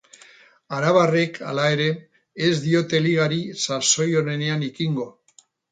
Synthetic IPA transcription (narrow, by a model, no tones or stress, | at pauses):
aɾaβare̞kʰa̰lae̞ɾe̞ː | zd̪io̞t̪e̞liɣaɾisaso̞jo̞ne̞ne̞anikiŋɡo̞